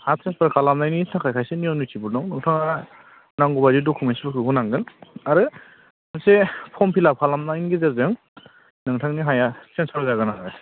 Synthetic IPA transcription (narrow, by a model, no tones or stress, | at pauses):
hasenspɾkʰalamnajninʰakʰajkʰajsenijɔmnutʰibɯɾdɔŋnɯŋtʰaŋa | naŋɡɔbazidɔkʰumensbɯkʰɯɦunaŋɡɯnaɾɯ | nsepʰɔmpʰilap̚kʰalamnainɡezeɾzɯŋ | nɯŋtʰaŋniɦajasensʰɔɾzaɡɯna